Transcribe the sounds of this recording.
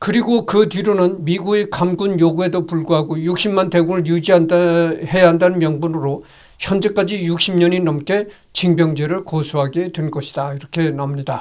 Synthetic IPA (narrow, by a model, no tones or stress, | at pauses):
kɯɾiɡokɯtiɾonɯnmiɡuekamɡunjoɡuɦe̞dopuɭɡuɦaɡojuk̚ɕ͈ʰimːante̞ɡuŋɯɭjud͡ʑiahe̞jaɦandanɯnmjʌŋbunɯɾo | çjʌnd͡ʑek͈ad͡ʑijuk̚ɕ͈ʰimɲʌɲinʌmk͈e̞ | t͡ɕiŋbjʌŋd͡ʑeɾɯɭkosʰuɦaɡedwenɡʌɕʰi̥d̥aiɾʌkʰe̞namɲida